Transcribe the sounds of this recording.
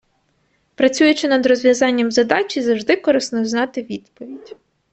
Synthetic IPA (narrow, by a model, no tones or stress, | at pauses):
pɾɐt͡sʲujʊt͡ʃɪnɐd̪ɾɔzʋʲjɐzɑnʲːɐmzɐd̪ɑt͡ʃʲizɐwʒd̪ɪkɔɾɪsnɔznɑt̪ɪʋʲid̪pɔʋʲidʲ